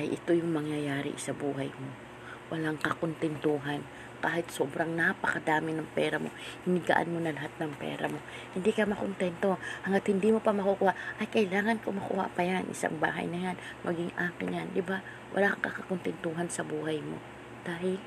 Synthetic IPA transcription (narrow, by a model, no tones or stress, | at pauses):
ʔajʔɪt̪o̞jʊŋmɐŋjɐjaːɾɪ̰sɐbuːɦɐjmo̞ | wɐlaŋkɐkont̪ɛnt̪uːɦan | kaːhɪt̪soːbɾaŋnapɐkɐd̪aːmɪnɐŋpɛːɾɐmo̞̰hɪnɪɡa̰ʔa̰nmo̞nɐlɐɦat̪̚nɐŋpɛ̰ːɾɐ̰mo̞ | hɪnd̪ikɐmɐkont̪ɛnt̪o̞hɐŋat̪hɪnd̪imo̞pɐmɐkukuhaʔʔɐjkɐʔɪlaːŋɐnkomɐkʊ̰ha̰ʔpɐjanʔɪ̰sa̰ŋba̰ːɦɐ̰jnɐjanmɐɡɪŋʔaːkɪnjand̪ɪba | wʔɐ̰laŋkɐkɐkont̪ɛnt̪uːɦɐnsɐbuːhɐjmo̞̰ | d̪̥aːɦɪl